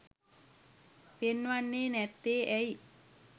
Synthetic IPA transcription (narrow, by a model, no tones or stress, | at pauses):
penːʋanːeːnɛt̪ːeːʔɛji